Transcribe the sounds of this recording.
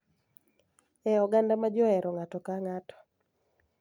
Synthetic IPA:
ɛɔɡandamad͡ʒɔɛɾɔŋatɔkaŋatɔ̥

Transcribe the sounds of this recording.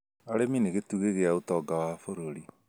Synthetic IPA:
aɾemineɣetuɣeɣeaotɔːɡawafoɾoɾi

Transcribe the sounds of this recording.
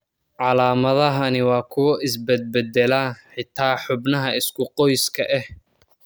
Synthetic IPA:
ʕɑlaːmɐðɐɦɐnɪwɑːkʰʊwɐʔɪsbɛd̪̚bɛd̪ɛlaħɪt̪ʰaːħʊbnɐɦɐɪskʰʊqɔjskʰɐʔɛh

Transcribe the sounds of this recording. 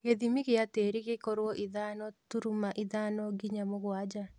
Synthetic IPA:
ɣeðimiɣeateːɾiɣekoɾwɔʔiðanɔtuɾumaʔiðanɔɡiɲamoɣwad͡ʒa

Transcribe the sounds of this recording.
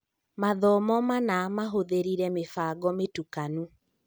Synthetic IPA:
maðɔmɔmanamaɦoðeɾiɾɛmefaːɡɔmetukanu

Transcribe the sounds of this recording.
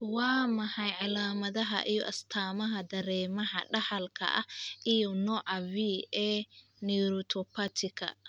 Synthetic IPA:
wɑːmɐħɑjʕɑlaːmɐðɐɦɐ̰ʔijɔ̰ʔɐst̪ʰaːmɐɦɐd̪ɐɾɛːmɐɦɐɖɐħɐlkʰɐ̰ʔɐʔijɔnɔːʕɑviːɛː | nɛɾɔt̪ʰɔpʰɐt̪ʰɪkʰɐ̰

